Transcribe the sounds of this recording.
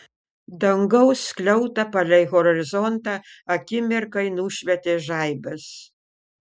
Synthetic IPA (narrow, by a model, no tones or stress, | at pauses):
d̪ɐŋɡɐʊsklʲɛʊt̪ɐpɐlʲɛɪɣɔɾɔɾʲɪzɔnt̪ɑːɐkʲɪmʲɪɾkɐɪnuːʃʲʋʲɛt̪ʲeːʒɑɪbɐs